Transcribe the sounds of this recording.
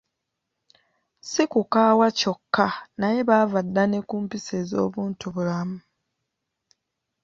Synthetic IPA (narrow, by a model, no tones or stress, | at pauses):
sikukaːwaco̞kːanaje̞βavadːane̞kuːmpisezo̞̰ːβuːntuβulamu